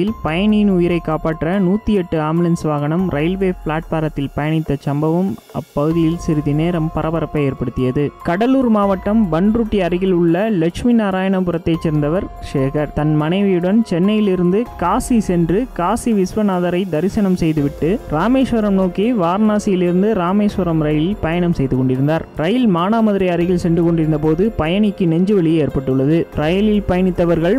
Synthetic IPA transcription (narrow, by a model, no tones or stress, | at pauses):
ɪlpɐjɐɳiːnʊjɪɾɐɪkːaːpaːʈːrɐnuːt̪ːijɛʈːɯaːmɯlɐnsʋaːɣɐɳɐmɾʔɐɪlʋeːfɭaːʈ̚paːɾɐt̪ːɪlpɐjɐɳɪt̪ːɐt͡ʃɐmbɐʋɯmɐ̰pːɐɣɯðɪjɪlsɪɾɯðineːɾɐmpɐɾɐbɐɾɐpːɐjeːɾpɐɽɯt̪ːɪjɐðɯkɐɽɐluːɾmaːʋɐʈːɐmbɐɳɾuʈːiɐɾɪɣɪlɯɭːɐlɐkʂminaːɾaːjɐɳɐpɯɾɐt̪ːɐɪt͡ʃːɛɾnd̪ɐʋɐɾʂeːkɐɾt̪ɐnmɐnɐɪʋɪjɯɽɐnt͡ʃɛnːɐjɪlɪɾɯnd̪ɯkaːsisɛndrɯkaːsiʋɪsʋɐnaːðɐɾɐɪd̪ɐɾɪsɐnɐmsɛjðɯʋɪʈːɯɾaːmeːʂʋɐɾɐmnoːkiʋaːɾnaːsɪjɪlɪɾɯnd̪ɯɾaːmeːʂʋɐɾɐmɾɐjɪlɪlpɐjɐɳɐmsɛjðɯkɔɳɖɪɾɯnd̪aːɾɾɐjɪlmaːnaːmɐðɪɾɐɪɐɾɪɣɪlsɛndrɯkɔɳɖɪɾɯnd̪ɐp̬oːðɯpɐjɐɳɪkːɯnɛɲd͡ʒɯʋɛɭɪjeːɾpɐʈːɯɭːɐðɯɾɐjɪlɪlpɐjɐɳɪt̪ːɐʋɐɾɣɐɭ